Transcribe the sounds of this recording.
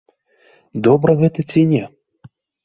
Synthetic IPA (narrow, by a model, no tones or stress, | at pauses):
d̪ɔbɾɐɣɛt̪ɐt͡sʲinʲɛ